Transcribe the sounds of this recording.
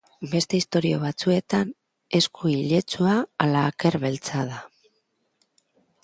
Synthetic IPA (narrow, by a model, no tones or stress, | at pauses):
be̞st̪e̞ist̪o̞ɾioβ̞at͡sue̞t̪an | e̞skuiʎe̞t͡suaːlaːke̞ɾβe̞lt͡sað̞a